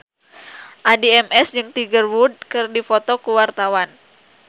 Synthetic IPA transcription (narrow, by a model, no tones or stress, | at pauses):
ʔadiɛmʔɛsd͡ʒɨŋt̪iɡərwud̚kɨrdifot̪okuwart̪awan